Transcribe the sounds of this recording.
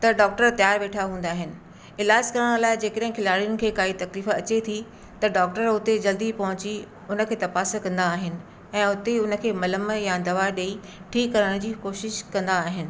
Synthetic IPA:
t̪ɐɖɔːk̚ʈəɾt̪jaːɾʋeːʈʰaɦũːn̆d̪aːɦɪnɪ̆ | ɪlaːd͡ʑkɐɾəɽ̃laːɪd͡ʑeːkəɗə̃ɦɪ̃kʰɪlaːɽijʊnɪ̆kʰeːkaːit̪ɐkliːfɐt͡ɕet̪ʰi | t̪ɐɖɔːk̚ʈəɾʊt̪ed͡ʑɐld̪ipɐ̃ɦʊ̃t͡ɕi | ʊnə̆kʰeːt̪ɐpaːs̆kɐ̃nd̪aːɦɪnɪ̆ | ɛ̃ːʊt̪eʊnə̆kʰeːmɐləməjad̪ɐʋaɗei | ʈʰiːkːɐɾəɽ̃d͡ʑiːkoːʃɪʃkɐ̃nd̪aːɦɪnɪ̆

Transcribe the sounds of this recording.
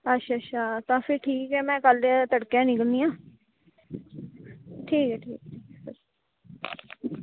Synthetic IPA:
ətːʃʰaːətʃʰaːt̪ãːpʰɪɾʈʰiːkɛːmɛ̃ːkəlt̪əɽkjãːnɪkəld̪ijãː | ʈʰiːkɛːʈʰḭːk̚ʈʰiːkːəɾ

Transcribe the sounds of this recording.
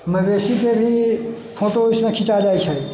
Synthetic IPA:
məbesikebʱi | pʰoʈoismẽkʰit͡ʃad͡ʒajt͡ʃʰəj

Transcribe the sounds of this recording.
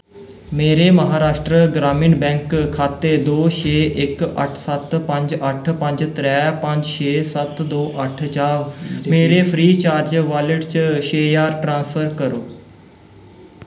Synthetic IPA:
meːɾeːməɦaːɾaːʃʈɾəɡɾaːmiːnbɛ̃ːŋkkʰːaːt̪eːd̪oːʃʰeːʔɪkə̰ʈʰsət̪pə̃ɲd͡ʒəʈʰpə̃ɲd͡ʒt̪ɾɛːpə̃ɲd͡ʒʃʰeːsət̪d̪oːʔəʈʰt͡ʃaːʋmeːɾeːpʰɾiːt͡ʃaːɾd͡ʒʋaːlɪʈt͡ʃʃeːjaːɾʈɾãːnspʰəɾkəɾo̰ː

